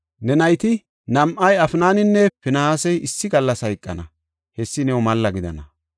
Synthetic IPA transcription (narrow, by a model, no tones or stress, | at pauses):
nɛnɐjt̪ɪ | nɐmʔɐjɐfnaːnɪnːɛfɪnɐhaːsɛjɪsːɪɡɐlːɐsɐjɪkʼːɐ̰nɐ | hɛsːɪnɛwɔmɐlːɐɡɪd̪ɐ̰nɐ